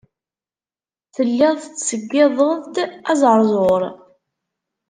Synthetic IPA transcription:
θəlːɪðˤθət͡sːsəɡːɪðˤəðˤd̪æzɾˤzˤoɾˤ

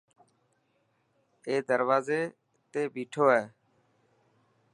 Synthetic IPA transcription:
eːd̪əɾʋaːzeː | t̪eːbiːʈʰoːɦɛː

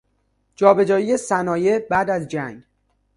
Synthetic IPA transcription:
d͡ʒɒːbe̞d͡ʒɒːije̞sænɒːje̞bæd̪æzd͡ʒæŋɡ

